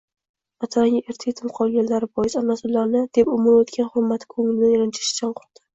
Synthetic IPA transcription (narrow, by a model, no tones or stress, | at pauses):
mast̪ʰalaŋʲɪʔe̞ɾt̪ʰeet̪ʰɪmqʰɒlˠɡʲanlaɾɪbɒjɪsamːasʊlːaɾnɪd̪̥e̞pʊmʊɾot̪kʲanχʊɾmːat̪ʰkʰɵŋlɪnɪɾɪnt͡ʃʰɪ̥ʃt͡ʃʰanqʰʊ̥ɾd̪̥ɪ̥